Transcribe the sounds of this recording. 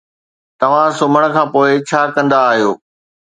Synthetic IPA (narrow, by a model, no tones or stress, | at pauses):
t̪ɐʋ̤ãsʊməɽ̃̆kʰãːpoːɪt͡ɕʰaːkɐ̃nd̪aːɦijoː